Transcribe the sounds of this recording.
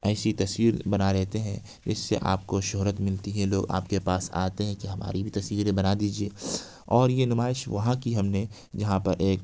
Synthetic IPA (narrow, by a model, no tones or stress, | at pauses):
ɛːsit̪ɐswiːɾbɐnaɾɛɦt̪eɦɛ̃ | d͡ʒɪ̰sːḛʔa̰ːp̚koʃʊɦɾət̪mɪlt̪iɦɛ̃loːɡa̰ːpkepaːsa̰ːt̪eɦɛ̃kiɦɐma̰ːɾibʱit̪ɐsʋiːɾẽbɐnad̪iːd͡ʒieː | ɔːɾjenʊmaːɪʃʋɐɦãkiɦɐmne | d͡ʒɐɦãpɐɾʔeːk